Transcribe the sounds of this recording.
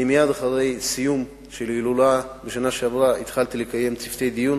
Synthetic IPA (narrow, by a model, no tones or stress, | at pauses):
imjad̪aχaʁe̞jsijum | ʃelɡilulabeʃanaʃeavʁait̪χalt̪ilekaje̞mt͡sift̪e̞jd̪ijun